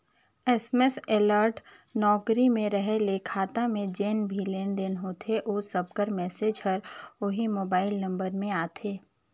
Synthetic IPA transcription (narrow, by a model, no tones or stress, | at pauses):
ɛsmeseləɾʈ | nɔːkɾimẽɾəɦeleːkʰaːt̪amẽd͡ʒeːnbʱileːnd̪eːnɦot̪ʰeʔoːsɐb̚kəɾmɛːsed͡ʒɦəɾoɦimoːbaːɪlnɐ̃mbəɾmẽaːt̪ʰeː